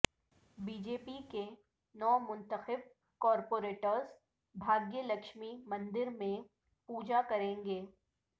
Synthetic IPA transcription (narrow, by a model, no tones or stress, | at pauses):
biːd͡ʒeːpike | nɔːmʊ̃nt̪əxɪb̚ | kɔːɾpoːɾeːʈəɾz | bʱaːɡjəlɐkʃmimɐ̃nd̪ɪɾmẽ | puːd͡ʒakɐɾẽːŋɡeː